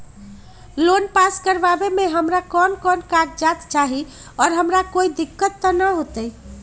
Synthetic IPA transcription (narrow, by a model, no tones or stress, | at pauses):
lonpaskəɾbabemeɦəmɾakɔnkɔnkad͡ʒd͡ʒat̪t͡ʃaɦi | ɔːɾɦəmɾakoid̪ikːət̪ːənəɦot̪ə